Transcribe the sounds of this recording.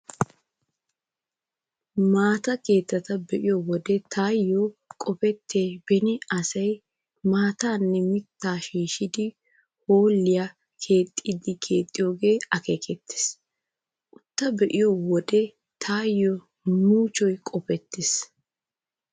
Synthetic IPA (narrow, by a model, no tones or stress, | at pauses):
maːt̪ɐkeːt̪ːɐt̪ɐbɛʔɪjɔwɔd̪ɛt̪ʰaːjːokʼɔpɛt̪ʰːe̞ːbɛnɪɐsɐj | maːt̪aːnːɛmɪt̪ːaːʃiːʃɪd̪ɪ | hoːlːɪja | kʰe̞ːt̪ʼːɪd̪ɪdkʰe̞ːt̪ʼːɪjoːɡeːɐkeːkʼɛt̪ːe̥s | ʔʊt̪ːɐbɛʔɪjowɔd̪ɛ | t̪ʰaːjːɔ | muːt͡ʃɔjkʼɔpɛt̪ːɪs